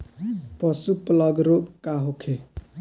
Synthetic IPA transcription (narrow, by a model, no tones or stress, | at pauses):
pʌsuplʌɡɾobkaɦokʰe